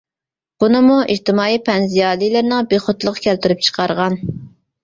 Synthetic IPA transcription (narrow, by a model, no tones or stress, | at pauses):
b̥unɨmuʔiht̪ɪmɑːipʰɛnzijɑːlˠijlˠɨɾnɪŋbeχʊt̪lˠəqkʲʰælt̪yɾyp̚t͡ʃʰə̥qʰɑɾʁɑn